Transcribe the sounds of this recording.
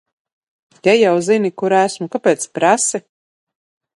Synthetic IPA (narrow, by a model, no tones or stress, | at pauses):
t̪ɛjawzinikuɾæsmukapʲɛːt̪spɾasi